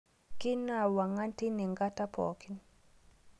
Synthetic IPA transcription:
ki˦na˨wa˨ŋa˦nti˦ni˨ŋɡa˦ta˦pʰɔ̰˨ki˦n

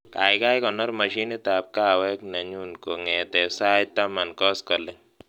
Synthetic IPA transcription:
ka̰˨jka˦jkɔ˨nɔ˦ɾma˨ʃi˦ni˦t̪ap̚ka˦wɛ˦kna˨ɲu˦nko˨ŋɛ˨tɛ˨sa˦jt̪a˦ma˨nkɔ˦skɔ˨lɪ˦ŋ

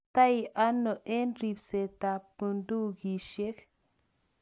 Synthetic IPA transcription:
t̪a˦jʔa˦nːo˨ʔe˦nɾi˨pse˨ta˨pɨ˨ndu˦ɡi˨ʃe˦k

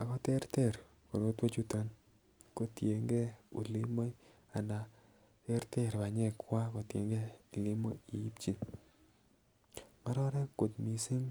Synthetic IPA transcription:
a˨kɔ˦te˦ɾte˦˨ɾ | ko˨ɾo˦two˦t͡ʃu˦to˨˦n | ko˨tje˨ŋɡɛ˦ṵ˨li˦mo˦j | a˨na˨ | te˦ɾte˦ɾba˨ɲɛ˦˨kwa˦ko˨tjḛ˨ŋɡɛ˦˨li˦mo̰˦i˨ji˦p̚t͡ʃi˦n | ma˦ɾɔ˦ɾɛ˦kːo˨tmi˨si˦ŋ

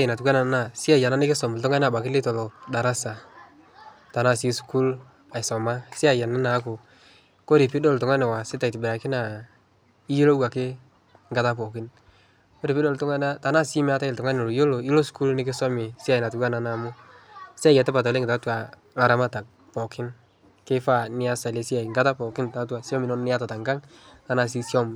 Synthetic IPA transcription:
a˦ɪ˨na˨tu˨ka˦na˨˦na˨sɪ˦a˨ja˨na˦nɪ˦kɪ˦sɔ˨m˨ltʊ˦ŋa˦n˦a˨ba˨kɪ˦lɪ˦tɔ˨lo˨da˨ɾa˦sa˨ | ta˨na˦˨si˦sku˦l | a˨ɪ˨sɔ˨ma˦sɪ˦a˨ja˨na˦na˨˦k̬ʊ˨ | ko˦ɾɪ˨pi˦do˦ltʊ˨ŋa˦nɛ˨wa˨sɪ˦ta˨i˨tɪ˨bɪ˨ɾa˨kɪ˦na˨ | i˦ji˦lo˦wa˨kɪ˦ | ŋɡa˨ta˦p̬ɔ˨kɪ˦n | ko˦ɾi˨pi˦do˦ltʊ˦ŋa˦na˦ta˨na˦sɪ˦mɛ˦a˦ta˦ɪ˨ltʊ˨ŋa˦n˨o˨lo˨jo˦lo˨i˦lo˦sku˦lnɪ˦k̬ɪ˦sɔ˦mɪ˨si˦a˨jɪ˨na˨tu˨ka˦na˨na˨mʊ˦ | sa˦˨jɛ˨tɛ˦pa˨tɔ˨le˦ŋɡɪ˨ta˨˦twa˨ | la˨ɾa˦ma˦ta˨k̚ | pɔ˨kʰɪ˦n | ke˦fa˦˨nɪ˦a˦sa˨le˦si˦a˨i˨ŋɡa˦ta˦pɔ˨kɪ˦nta˨˦twa˨sjɔ˦mɪ˨nɔ˦nnɪ˦a˦ta˨ta˨ŋɡa˦ŋ | ta˨na˨s̬i˦sɔ˦m

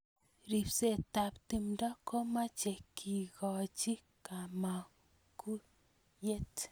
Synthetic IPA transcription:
ɾi˨pse˨ta˨pti˨mda˦ko˦ma˦t͡ʃe˨kʰi˨kɔ˨t͡ʃi˦ | ka˨ma˨ | ku˦ | je˦t

